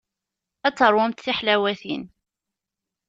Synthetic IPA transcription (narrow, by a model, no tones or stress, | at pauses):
æt͡sːəɾˤwʊmt̪θiħlæwæθin